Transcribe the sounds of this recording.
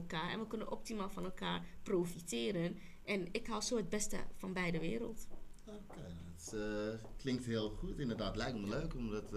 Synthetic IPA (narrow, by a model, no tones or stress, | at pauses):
ɛlˠkaːɹɛ̰nʋəkønənʔɔp̚timaːlˠfɔnɛlˠkaːɹproːfitɪːɾən | ʔɛnɪkɦawsoːəd̚bɛstə̰fɑnbɛjdəʋɪːɾə̰lˠtoːkej | sklɪŋk̚thiəlˠχuətɪndərdaːtlɛjkənməløːkɔmdɔt